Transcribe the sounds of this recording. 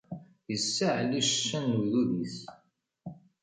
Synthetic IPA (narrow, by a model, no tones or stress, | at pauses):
jəsːaʕliʃʃːænuðuðiθ